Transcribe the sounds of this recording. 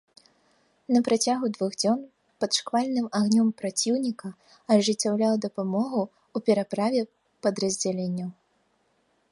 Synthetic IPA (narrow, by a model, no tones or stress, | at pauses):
nɐpɾat͡sʲaɣud̪vuɣd͡zʲɔn | pɐt̪ʂkvalʲnɨmaɣnʲɔmpɾat͡sʲiwnʲikɐ | ɐʐɨt͡sʲːawlʲawd̪ɐpamɔɣu | upʲɛɾapɾavʲɛ | pɐd̪ɾɐzʲd͡zʲalʲenʲːɐw